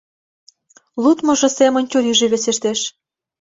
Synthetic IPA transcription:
lut̪mŏʒɤ̆semə̆nʲt͡ɕuɾyʒĕβesĕʃt̪eʃ

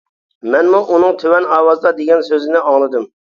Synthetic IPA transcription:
mɛnmuʔunɨŋt̪ʰøwɛnɑːwɑzd̪ɑd̪eɡʲɛnsøzɪnɪɑŋlˠɨd̪ɨm

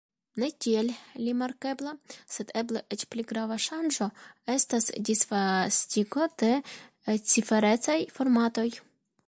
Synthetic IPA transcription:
ne̞kielːimaɾke̞blase̞d̪e̞bleʔe̞t͡ʃpliɡɾavaʃand͡ʒo̞e̞stasdisfastʲiko̞d̪̥e̞ | t͡sife̞ɾe̞t͡sajfo̞ɾmat̪o̞j

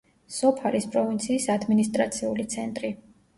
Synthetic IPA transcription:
sɔpʰalispʼɾɔvint̪sʰiːsad̪minist̪ʼɾat̪sʰiulit̪sʰɛnt̪ʼɾi

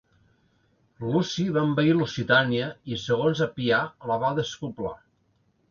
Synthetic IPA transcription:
lusiβambəilusit̪aniəisəɣ̞onzəpialəβaðəskupla̰

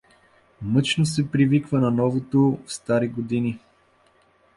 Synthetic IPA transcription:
mɤt͡ʃnosɛpɾivikvənɐnɔvot̪ofst̪aɾiɡod̪ini

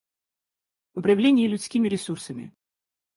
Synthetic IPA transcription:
ʊpɾɐvlʲenʲɪjəlʲʊt̪sʲkʲimʲɪɾʲɪsursəmʲɪ̰

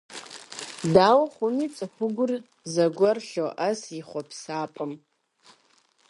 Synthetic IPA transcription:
daːwχʷʊnit͡sʼɨħʷʊɡʷʊr | zɐɡʷɐrɬoʔɐsiχʷɔpʰsaːpʼɨm

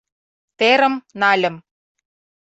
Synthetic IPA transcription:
t̪eɾə̆mnɑlʲə̆m

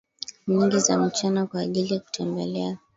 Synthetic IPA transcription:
ɲiŋɡizam̩t͡ʃanakwaːʄilijaku̥tʰɛmbɛlɛa

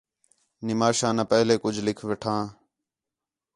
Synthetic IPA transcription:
nɪmaːʃãːnə̃ːpəɦleːkʊd͡ʒʱlɪkʰʋeʈʰãː

